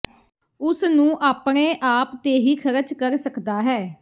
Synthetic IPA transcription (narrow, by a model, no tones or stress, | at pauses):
ʊsnũːʔaːpɳeːʔaːpt̪eːɦiːkʰəɾət͡ʃkəɾsəkd̪aːɦɛː